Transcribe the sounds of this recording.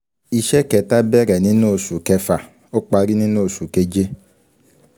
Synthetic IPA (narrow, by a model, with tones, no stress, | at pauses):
i˧ʃɛ˦kɛ˨ta˦bɛ˦ɾɛ˨nĩ˦no˦˨su˨kɛ˧fa˨ | o˦k͡pa˧ɾi˦nĩ˦noː˦˨su˨ke˧d͡ʒe˦